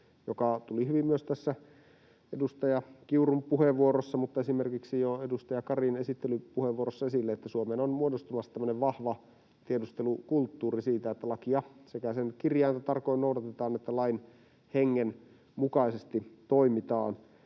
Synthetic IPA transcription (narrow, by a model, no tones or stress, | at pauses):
jokɑt̪ulihyʋimmyøst̪æsːæ | edust̪ɑjɑkiurumpuheʋuoɾosːɑmut̪ːɑesimerkiksijoedust̪ɑjɑkɑrinesit̪ːelypuheʋuorosːɑesilːeet̪ːæsuomeːnonmuodost̪umɑsːɑt̪æmːø̆neʋʋɑhʋɑ | t̪iedust̪elukult̪ːuːrisiːt̪æet̪ːælɑkiɑsekæsenkirjɑint̪æt̪ɑrkoinoudɑt̪et̪ɑːnet̪ːælɑin | heŋːen | mukɑisest̪it̪oimit̪ɑ̰ːn